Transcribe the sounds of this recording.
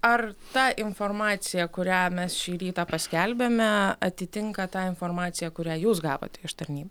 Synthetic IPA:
ɐrt̪ɑːʔɪnfoːrmɑːt̪sʲɪjɛkʊɾʲæːmʲɛsʃʲiːɾʲiːt̪ɑːpɐsʲkʲælʲbʲemʲɛɐt̪ʲɪt̪ʲɪŋkɐt̪ɑːɪnfoːrmɑːt̪sʲɪjɛkʊɾʲæːjuːsɡɑːʋo̰ːt̪ʲɛɪʃt̪ɐɾʲnʲiːbɐ

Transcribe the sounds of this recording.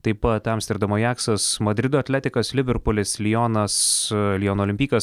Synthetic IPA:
t̪ɐɪpɐt̪ːʲɛmst̪ʲɪɾd̪ɐmoːjæːksɐsmɐd̪ʲɾʲɪd̪oːɐt̪ʲlʲæːt̪ʲɪkɐslʲɪbʲɛɾpolʲɪslʲɪjoːnɐslʲijoːnoːlʲɪmʲpʲiːkɐs

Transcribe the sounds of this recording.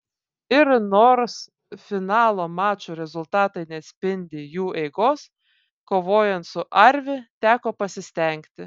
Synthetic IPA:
ɪɾnoːɾs | fʲɪnɑːlˠoːmɑːt͡ʃuɾʲɛzʊlˠt̪ɑːt̪ɐɪnʲɛɐt̪ʲsʲpʲɪnʲd̪ʲɪjuːʔɛɪɡoːs | koːʋoːjɛnt̪sʊʔɐɾʲʋʲɪt̪ʲæːkoːpɐsʲɪsʲt̪ʲɛˑŋʲkt̪ʲɪ

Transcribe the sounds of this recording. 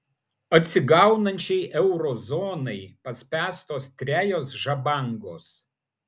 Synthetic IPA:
ɐt̪ʲsʲɪɡɐˑʊnɐnʲt͡ʃʲɛɪʔɛʊɾɔːzɔːnɐɪpɐsʲpʲæːst̪oːst̪ʲɾʲæːjoːsʒɐbɑˑŋɡo̰ːs

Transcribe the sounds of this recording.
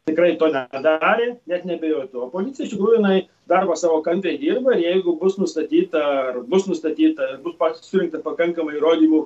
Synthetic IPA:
t̪ʲɪkrɐɪt̪oːnʲɛd̪ɑːɾʲeːnʲɛt̪nʲɛbʲɛjoːt̪ʊopoːzʲɪtt͡sʲɪjɛɪʃt̪ʲɪkɾuːjʊjɪnɐɪ | d̪ɐrbɐsɑːʋoːkɐnʲt̪ʲʋʲɛɪd̪ʲiːrbɐɪɾjɛɪɡʊbʊsnʊst̪ɐt̪ʲiːt̪ɐɐrbʊsnʊst̪ɐt̪ʲiːt̪ɐɪrbʊspɐsʊɾʲɪŋkt̪ɐpɐkɐŋkɐmɐɪiɾoːd̪ʲiːmu

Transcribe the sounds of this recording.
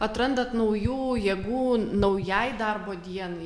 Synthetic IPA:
ɐt̪ɾɐnd̪ɐt̪nɐʊjuːjɛɡuːnɐʊjɛɪd̪ɐɾboːd̪ʲiɛnɐɪ

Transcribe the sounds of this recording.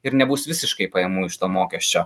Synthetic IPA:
ɪɾnʲɛbuːsʋʲɪsʲɪʃkɐɪpɐjɛmʊɪʃt̪oːmoːkʲɛsʲt͡ʃʲoː

